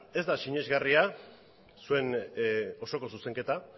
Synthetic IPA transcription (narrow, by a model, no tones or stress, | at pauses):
e̞zd̪asiɲe̞zɣaria | sue̞n | o̞so̞ko̞suse̞ŋke̞t̪a